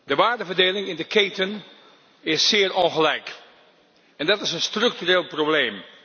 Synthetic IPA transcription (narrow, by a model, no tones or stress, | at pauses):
dəʋaːɹdəvəɹdejlɪŋɪndəkejtən | ɪsːɪːɹʔɔnχəlɛjk | ɛndɑtɪsənstrɵk̚tyreːlˠprowblejm